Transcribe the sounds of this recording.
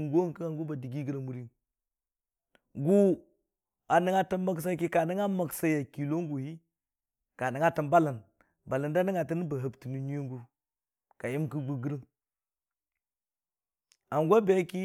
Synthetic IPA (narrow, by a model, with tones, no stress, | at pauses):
ɡo˦kə˦a˨ŋɡu˦ba˨di˨ɡi˦ɡə˨ɾa˨mu˨ɾi˦n | ɡu˦ | a˨ni˦ŋa˦tə˦mma˦ks̬a˦ki˦ka˨ni˦ŋa˦ma˨ksa˦ja˨ki˨lo˦ŋ˦ɡu˨hi˦ | ka˨ni˨ŋa˦tə˨mba˦la˨n | ba˨la˨nda˦ni˦ŋa˨tə˦n˦ba˨ɦə˨bti˨nu˨ɲi˦o˦ŋɡu˦ | ka˨ji˦mki˦ɡ͡bu˦ɡi˦ɾi˦ŋ | a˨ŋɡʷa˦be˦ki˦